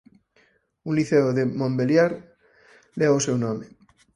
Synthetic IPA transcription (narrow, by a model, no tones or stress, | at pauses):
unliθeoðemõmbeljaɾ | leaosewnõme